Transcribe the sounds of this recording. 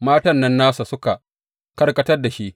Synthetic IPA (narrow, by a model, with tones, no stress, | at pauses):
maː˦tɐ˨nːɐ˦nːaː˦sa˨sʊ˦ka˨ | kɐ˦rkɐ˦tɐ˦rda˨ʃi˦ʔ